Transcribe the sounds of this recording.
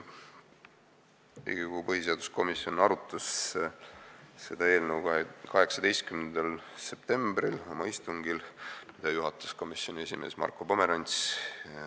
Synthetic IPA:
ḭɡ̥ikuupɤɦiseɑd̪̥u̥sko̞misjo̞nɑɾut̪ːˑɑs | se̞d̪̥ɑe̞ːlnewkɑkɑɦe̞ksɑd̪e̞jst̪̚kymnend̪̥ɑlse̞p̚t̪e̞mbrilo̞mɑist̪uŋɡ̥ilmid̪̥ɑjuɦɑt̪ːˑɑ̥sko̞misjo̞nʲiesime̞̰ːsmɑ̰rkːˑo̞po̞me̞ɾɑnʲt̪s

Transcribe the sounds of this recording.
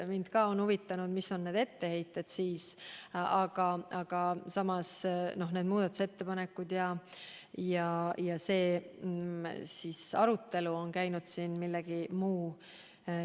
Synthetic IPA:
mind̪̥kɑːo̞nhuvit̪ːˑɑnud̪̥misːo̞nːe̞ːd̪̥e̞t̪ːe̞he̞jt̪ːˑe̞d̪̥siːsɑɡ̥ɑʔɑɡ̥ɑsɑmɑsno̞ɦned̪muːd̪ɑt̪ːˑu̥se̞t̪ːe̞pɑnekːˑud̪̥jɑ | jɑjɑse̞ː | siːsɑ̰ɾut̪ːe̞luo̞nkæjnud̪̥siːnmilːeɡ̥imuː

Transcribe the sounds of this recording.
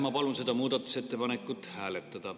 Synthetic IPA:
mɑpɑlunset̪ɑmuːd̪ɑt̪ːˑu̥set̪ːepɑnekːˑut̪hæːlet̪ːæd̪̥ɑ

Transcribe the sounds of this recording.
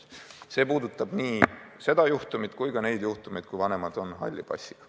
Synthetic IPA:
se̞ːpuːd̪ut̪ːˑɑb̥niːse̞d̪̥ɑjuht̪umit̪kujɡ̥ɑne̞jd̪̥juht̪umed̪̚kujvɑne̞mɑd̪̥o̞nɦɑ̰lʲːib̥ɑ̰sʲːi̥ɡ̥

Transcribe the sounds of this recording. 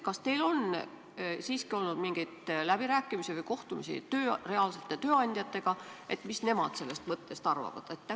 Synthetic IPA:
kɑst̪e̞jlo̞n | siːskio̞lnud̪̥miŋɡ̥ijt̪læb̥iɾæːkˑːimisivɯjko̞ht̪umisḭt̪øːre̞ɑlse̞t̪ːˑet̪øːɑnʲd̪̥ʲjɑt̪ːˑe̞ɡ̥ɑʔe̞t̪ːˑmisne̞mɑ̰d̪̥se̞lːest̪mɤt̪ːe̞st̪ɑrvɑ̰vɑ̰d̪̥et̪ːæ

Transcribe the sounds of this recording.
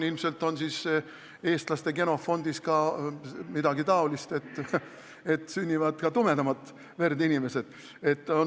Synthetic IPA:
ilmse̞lt̪ːˑo̞nsiːs | e̞ːst̪lɑst̪e̞ke̞no̞fo̞nd̪̥iskɑ | mid̪ɑɡit̪ɑolist̪e̞t̪ːˑ | e̞t̪ːˑsynʲːivɑd̪̥kɑt̪ume̞d̪ɑmɑt̪ˑ | ve̞rd̪inime̞se̞d̪̥ | e̞t̪ːˑon

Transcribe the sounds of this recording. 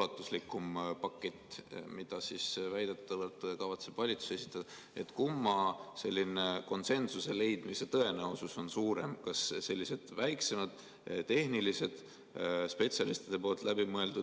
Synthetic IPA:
ɑt̪ːˑuslikːˑumpɑkːe̞t̪ʲːˑmid̪̥ɑsisvæjd̪̥et̪ːɑvəlt̪ːˑkɑvɑt̪se̞b̥vɑlʲit̪su̥se̞si̥t̪ːˑɑd̥̪ɑ | e̞t̪ˑkumːɑse̞lʲːine̞ko̞nse̞nsusele̞jd̪̥mise̞t̪ɤ̞e̞neosuso̞nsuːɾe̞mkɑsse̞lʲːise̞d̪̥væjkse̞mɑd̪̥ | t̪e̞hnilise̞d̪̥ | spe̞t̪sʲjɑlist̪id̪̥e̞po̞ːlt̪ˑlæbimɤe̞ld̪ud̪̥

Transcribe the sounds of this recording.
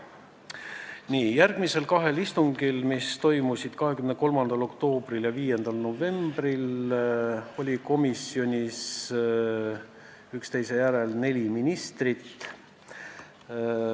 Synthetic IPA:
niːjærɡ̥mise̞lkɑɦe̞list̪uŋɡ̥ilmist̪o̞jmusid̪̥kɑɦe̞kymneko̞lmɑnd̪̥ɑlo̞kt̪o̞ːbriljɑviːje̞nd̪̥ɑlno̞ve̞mbril | o̞lʲiko̞misio̞nʲis | ykst̪e̞jse̞jæɾe̞lne̞lʲiminʲist̪rit̪

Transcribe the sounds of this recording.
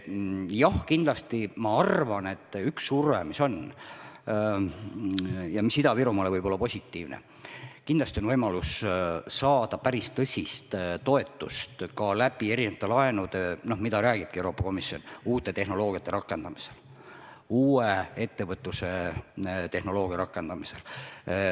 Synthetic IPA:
jɑhkind̪lɑst̪imɑɑrvɑne̞t̪ːˑyksurvḛmiso̞n | jɑmisid̪ɑviɾumɑlevɤjbo̞lːɑpo̞sʲit̪ːiːvnḛ | kind̪lɑst̪io̞nvɤjmɑlussɑːd̪̥ɑpæɾist̪ɤsʲist̪t̪o̞e̞t̪ːˑust̪kɑlæb̥ie̞ɾinevɑt̪ːˑelɑe̞nud̪eno̞hmid̪ɑɾæːɡ̥ib̥̚kiewɾo̞ːpːˑɑ̥ko̞misːio̞̰nuːt̪ːˑe̞t̪e̞ɦno̞lo̞ːɡ̥ijɑt̪ːˑe̞ɾɑkːˑe̞nd̪ɑmise̞̥l | uːee̞t̪ːe̞vɤt̪ˑːuse̞ | t̪e̞hno̞lo̞ːɡ̥ijɑɾɑkːˑe̞nd̪̥ɑmise̞l

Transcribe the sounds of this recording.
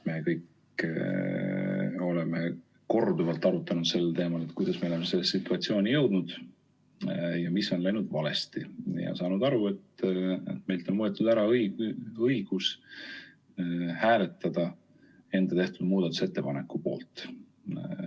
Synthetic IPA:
me̞kɤjk | o̞le̞me | ko̞rd̪uvɑlt̪ːˑɑɾut̪ːˑɑnud̪̥se̞lːt̪e̞ːmɑle̞t̪kujd̪̥ɑsme̞o̞lemese̞lːessit̪ːˑuɑt̪sio̞ːnijɤwd̪̥nud̪̥ | jɑmisːo̞nlɑjnud̪̥vɑle̞st̪ijɑ̰sɑːnud̪ɑɾue̞t̪ḛt̪me̞jlt̪o̞nmuet̪ːud̪æɾɑɤjɤjɡ̥us | hæːle̞t̪ːˑɑd̪̥ɑ | e̞nd̪̥ɑt̪e̞ht̪ud̪muːd̪ɑt̪ːu̥se̞t̪ːe̞pɑne̞kːˑupo̞̰ːlt̪ˑ

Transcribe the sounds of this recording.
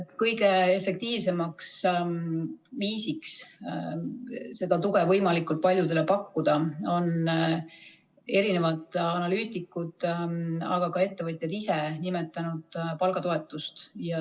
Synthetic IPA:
kɤjɡe̞efe̞k̚t̪iːvse̞mɑks | viːsiks | se̞d̪̥ɑt̪uɡ̥e̞vɤjmɑlikːˑult̪̚pɑlʲjud̪e̞le̞pɑkːud̪̥ɑo̞n | e̞ɾine̞vɑt̪ˑɑnɑlyːt̪ikːˑud̪̥ | ɑ̰ɡ̥ɑkɑe̞t̪ːe̞vɤjt̪ʲˑjɑd̪̥isenime̞t̪ːˑɑnud̪̥pɑlɡ̥ɑt̪o̞e̞t̪ːˑust̪jɑ

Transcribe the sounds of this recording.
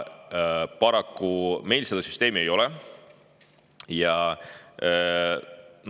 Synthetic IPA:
pɑɾɑkːume̞jlsed̪̥ɑsy̥st̪e̞ːmie̞jo̞lɛ | jɑ | n

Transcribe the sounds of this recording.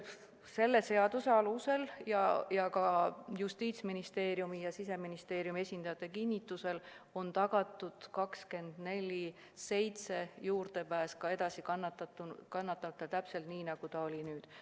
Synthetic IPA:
se̞lːese̞ɑd̪̥useɑluse̞ljɑjɑkɑjust̪iːt̪sminist̪e̞ːɾjumijɑsis̬e̞minist̪e̞ːɾjumiesʲind̪̥ɑjɑt̪ːˑe̞kinʲːit̪ːˑuse̞l | o̞nt̪ɑɡ̥ɑt̪ːˑud̪̥kɑkske̞nd̪̥ne̞lʲi | se̞jt̪se̞juːrt̪e̞pæːskɑe̞d̪ɑsikɑnːɑt̪ːɑt̪ːukɑnːɑt̪ːˑɑt̪ːˑet̪æpse̞lt̪niːnɑɡ̥ut̪ɑo̞lʲinyːd̪̥

